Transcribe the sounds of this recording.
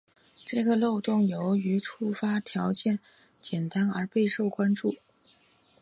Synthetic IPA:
ʈ͡ʂɤ˥˩ɡə˩lo˥˧ʊt̪ʊ˥˩ŋjo˧˥ʊy˧˥ʈ͡ʂʰu˥˩fa˥t̪ʰjɑ˧˥ʊt͡ɕjɛ˥˩n | t͡ɕjɛ˨˩nt̪a˥nə˞˧˥pe˥˧ɪʂo˥˩ʊkwa˥nʈ͡ʂu˥˩

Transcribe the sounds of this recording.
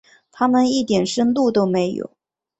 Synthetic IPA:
t̪ʰa˥mə˨ni˥˩t̪jɛ˨˩nʂə˥nt̪u˥˩t̪o˥ʊme˧˥ɪjo̰˨˩˦ʊ

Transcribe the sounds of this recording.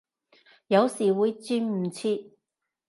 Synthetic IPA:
jɐ˨˧wsiː˨wuː˨˧jt͡syː˧nm̩˨˩t͡sʰiː˧

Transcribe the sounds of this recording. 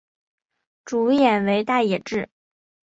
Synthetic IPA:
ʈ͡ʂu˧˥jɛ˨˩nwe˧˥ɪt̪a˥˩jɛ˨˩ʈ͡ʂɻ̩˥˩

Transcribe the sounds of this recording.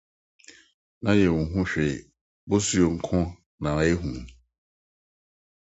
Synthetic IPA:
na˦je˨ŋu˨ɦũ˦ʃᶣe˨ | bo˦su˦jo˨ŋ̩˦kʰɔ˦ | na˨ɾa˦e˦ɦũ˨˦

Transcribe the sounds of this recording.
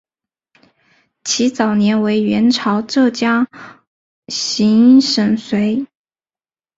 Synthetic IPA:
t͡ɕʰi˧˥t͡sɑ˨˩ʊnjɛ˧˥nwe˧˥ɪɥɛ˧˥nʈ͡ʂʰɑ˧˥ʊʈ͡ʂɤ˥˩t͡ɕja˥ | ɕi˧˥n˥ʂə˨˩nswe˧˥ɪ

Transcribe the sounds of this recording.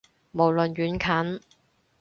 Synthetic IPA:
mo˨˩wlɵ˨nɥyː˨˥nkʰɐ˨˥n

